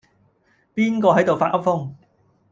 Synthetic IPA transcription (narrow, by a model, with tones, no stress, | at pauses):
piː˥nkɔː˧ɦɐ˨˥jt̪o˨˩wfaː˧t̚ʔɐ˥p̚fʊ˥ŋ